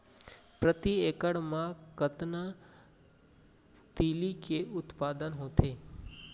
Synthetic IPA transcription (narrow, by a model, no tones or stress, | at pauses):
pɾət̪ieːkəɽmãkət̪nə | t̪iːlikeʊt̪paːd̪ənɦõːt̪ʰeː